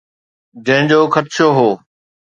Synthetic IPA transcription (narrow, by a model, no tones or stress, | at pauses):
d͡ʑɐ̃ɦɪ̃d͡ʑoːkʰət̪ʃoɦoː